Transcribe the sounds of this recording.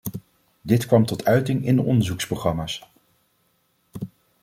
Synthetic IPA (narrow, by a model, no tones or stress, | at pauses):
dɪtkʋɑmtɔtœɥtɪŋɪndəʔɔndəɹzuksproχrɑmaːs